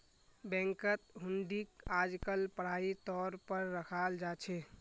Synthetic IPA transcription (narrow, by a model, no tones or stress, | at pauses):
bɛ̃ŋkət̪ɦuɳɖikad͡ʒkəlpəɽ̤ait̪ɔɾpəɾːəkʰald͡ʒat͡ʃʰɛ